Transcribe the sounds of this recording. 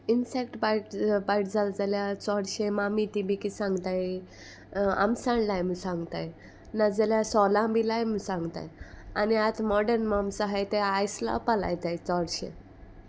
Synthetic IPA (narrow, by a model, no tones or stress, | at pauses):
insekʈbajʈbajʈd͡zald͡zaljat͡sɔɽɕemamit̪ibikisãŋɡt̪aj | a̰msãɳlajmsãŋɡt̪aj | nad͡zaljasɔlãbilajmsãŋɡt̪a̰janiat̪mɔɖəɾnmamsaɦajt̪ɛajsla̰pala̰jt̪ajt͡sɔɽɕḛ̃